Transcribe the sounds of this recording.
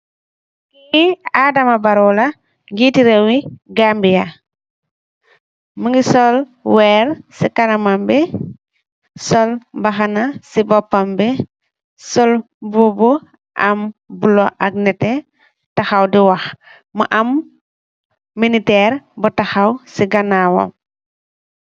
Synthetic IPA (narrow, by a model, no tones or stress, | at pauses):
iadɐmabaɾɔla | ŋɡitiɾewiɡambija | məŋɡisɔl | wɛːɾsikalɐmambɛ | sɔlbaxanasibɔpːambɛ | sɔl | bubu | ʔa̰mbulɔʔaɡnɛtɛ | taxawdiwax | ma̰ʔam | minitɛɾbɐtaxawsiɡanawo̰m